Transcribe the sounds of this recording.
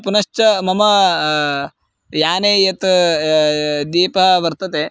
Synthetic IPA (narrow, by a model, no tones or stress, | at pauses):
punɐʃt͡ʃɐmɐmɐ | jaːneːjɐt̪ | d̪iːpɐɦɐʋɐɾt̪ɐt̪eː